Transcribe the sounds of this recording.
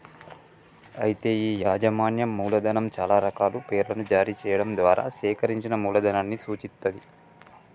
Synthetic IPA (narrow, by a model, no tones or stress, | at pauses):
ɐjit̪e̞ːiːjaːd͡ʒɐmaːnjɐmːuːlɐd̪ɐnɐmt͡ʃaːlaːɾɐkaːlupeːɾlɐnud͡ʒaːɾiːt͡ʃɛːjɐɽɐmd̪ʋaːɾa̰ːʃɛːkɐɾiɲt͡ʃinɐmuːlɐd̪ʱɐnɐːnːisuːt͡ʃit̪ːɐd̪i